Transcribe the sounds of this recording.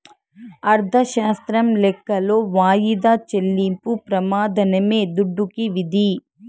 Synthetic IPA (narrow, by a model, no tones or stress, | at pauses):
ɐɾd̪ʱɐʃaːst̪ɾɐmlɛkːɐloːʋaːjid̪aːt͡ʃelːimpupɾɐmaːd̪ʱɐnɐmeːd̪uɖːukiʋid̪ʱi